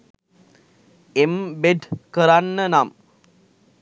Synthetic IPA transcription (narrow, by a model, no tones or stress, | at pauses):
embeɖkəɾanːənam